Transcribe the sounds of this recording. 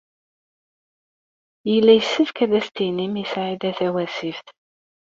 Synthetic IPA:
jəlːæjəsːəfkæðæst̪inimisʕid̪æθæwæsifθ

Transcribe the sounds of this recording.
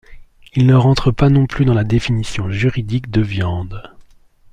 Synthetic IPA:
ilnəʁɑ̃t̪χəpanɔ̃plyd̪ɑ̃lad̪efinisjɔ̃ʒyʁid̪ikd̪əvjɑ̃d̪

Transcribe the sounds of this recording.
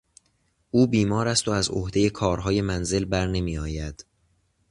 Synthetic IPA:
ʔuːbiːmɒːɾæst̪o̞æzo̰hd̪e̞je̞kʰɒːɾɦɒːje̞mænze̞lbæɾne̞miːɒːjæd̪̥

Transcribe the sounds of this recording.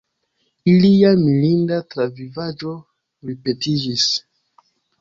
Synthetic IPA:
iliamilindatɾavivad͡ʒo̞ | ɾipetid͡ʒis

